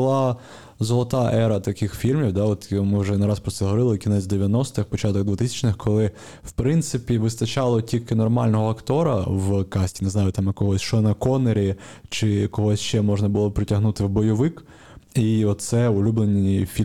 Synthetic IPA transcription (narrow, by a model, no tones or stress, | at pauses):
ʊlˠɑ | zɔlˠɔt̪ɑʔɛɾɐt̪ɐkɪxfʲilʲmʲiwd̪ɑɔt̪mɪwʒɛnɐɾɑspɾɔt̪sɛɦɔʋɔɾɪlˠɪkʲinɛt͡sʲd̪eʋʲjɐnɔst̪ɪxpɔt͡ʃɑt̪ɔɡ̚d̪ʋʊt̪ɪsʲɐ̥t͡ʃnɪxkʰɔlˠɪ | wpɾɪnt̪sɪpʲiʋɪst̪ɐt͡ʃɑlˠɔtʲilʲkɪnɔrmɑlʲnɔɦɔɐkt̪ɔɾɐ̰wkɑsʲtʲineznɑjʊt̪ɑmkɔɦɔsʲʃt͡ʃɔnɐkɔneɾʲit͡ʃɪkɔɦɔsʲʃt͡ʃɛmɔʒnɐbʊlˠɔpɾɪtʲɐɦnut̪ɪwbɔjɔʋɪk | iɔt̪sɛʊlʲublˠenʲifʲi